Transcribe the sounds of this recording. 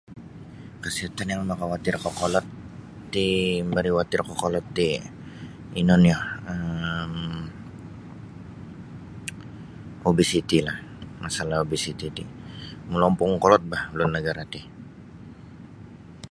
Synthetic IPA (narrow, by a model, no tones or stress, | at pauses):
kəsiat̪anjaŋmakawat̪ɪrkokolɔt̪ː | imbaɾiwat̪ɪrkokɔlɔt̪ːi | inɔnjahəm | obisit̪ilahmasalahobisit̪it̪imulɔmpʊŋkɔlɔt̪̚bahlʊnːəɡaɾat̪ɪ